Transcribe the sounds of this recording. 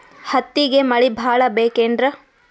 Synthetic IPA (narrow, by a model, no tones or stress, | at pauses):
hɐt̪ːiɡemɐɭibʱaːɭɐbeːkeːndɾɐ